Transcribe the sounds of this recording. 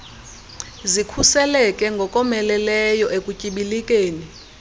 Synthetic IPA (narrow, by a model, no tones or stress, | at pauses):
zikʰusɛlɛkʼɛŋɡʱɔkʼɔmɛlɛlɛjɔʔekʼucʼiɓilikʼeːni